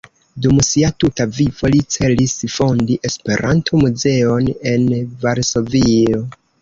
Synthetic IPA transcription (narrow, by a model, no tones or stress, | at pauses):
dumsiatutavivo̞lit͡se̞lisfo̞ndiʔe̞spe̞ɾʔantʰo̞muze̞o̞ne̞nvaɾso̞vio̞